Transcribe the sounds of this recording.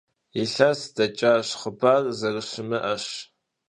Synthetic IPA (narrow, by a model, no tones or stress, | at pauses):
ɪɬɐsd̥ɐt͡ʃʼaːɕχəbaːrzɐrɨɕɪmɨʔɐɕ